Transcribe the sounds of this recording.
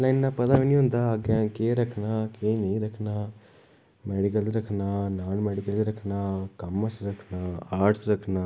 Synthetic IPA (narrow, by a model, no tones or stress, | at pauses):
lɐjnnɐpɐd̪ɐʋinjund̪ɐɡakeːɾɐkʰnakeːneːɾɐkʰna | meɽik̬ɐlɾɐkʰnanaːnmeɽikɐlɾɐkʰnakɐmːɐsɾɐkʰnaaːɾɖsɾɐkʰna